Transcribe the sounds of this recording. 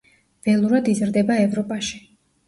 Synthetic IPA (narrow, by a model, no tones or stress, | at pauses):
v̥ɛlˠuɾad̪izɾd̪ɛbaɛvɾɔpʼaʃi̥